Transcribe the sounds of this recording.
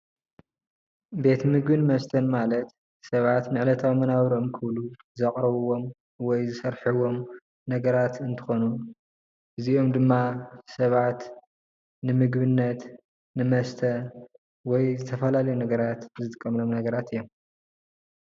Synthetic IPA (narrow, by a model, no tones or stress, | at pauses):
be̞t̪mɨɡbɨnmɐst̪ʰɐnmalɐt̪ | sɐβat̪nɨʕɨlɐt̪ʰawmɐnawɾomkʰɨβlu | zɐkʼɾɐβuwo̞m | wɔjzɨsɐɾħɨwo̞m | nɐɡɐɾat̪ɨnt̪ʰɨ̥xo̞nu | ʔɨziomd̪ɨmːasɐβʕat̪ | nɨmɨɡbɨnːɐt̪ | nɨmɐst̪ʰɐ | wɔjzɨt̪ʰɐfɐlalɐjunɐɡɐɾat̪zɨt̪ʼkʼːɐmlo̞mnɐɡɐɾat̪ʰɨjːom